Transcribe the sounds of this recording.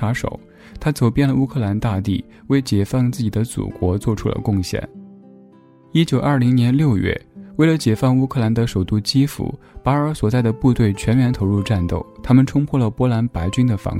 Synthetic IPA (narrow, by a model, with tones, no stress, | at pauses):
a˧˥ʂo̰˨˩ʊ | t̪ʰa˥t͡so˨˩ʊpjɛ˥˩nlə˩u˥kʰɤ˥˩la˧˥nt̪a˥˧t̪i˥˩ | we˥˩ɪt͡ɕjɛ˨˩fɑ˥˧ŋt͡sɹ̩˥˩t͡ɕi˨˩d̪ə˦t͡sṵ˨˩kwɔ˧˥t͡swɔ˥˩ʈ͡ʂʰu˥lə̰˧kʊ˥˧ŋɕjɛ̰˥˩n | i˥t͡ɕjo˨˩ʊʔɐ˞˥˩li˧˥ŋnjɛ˧˥nljo˥˧ʊɥɛ̰˥˩we˥˩ɪlə˧˦t͡ɕjɛ˨˩fɑ˥˧ŋu˥kʰɤ˥˩la˧˥nd̪ə˧ʂo˨˩ʊt̪u˥˩t͡ɕi˥fṵ˧˥ | pa˧˥ɪə˞˧˥swɔ˨˩t͡sa˥˩ɪd̪ə˩pu˥˧t̪we˥˩ɪt͡ɕʰɥɛ˧˥nɥjɛ˧˥nt̪ʰo˧˥ʊɻu˥˧ʈ͡ʂa˥˧nt̪o˥˩ʊt̪ʰa˥mə˨nʈ͡ʂʰʊ˥ŋpʰwɔ˥˩lə˩pwɔ˥la˧˥npa˧˥ɪt͡ɕy˥nd̪ə˨fɑ̰˧˥ŋ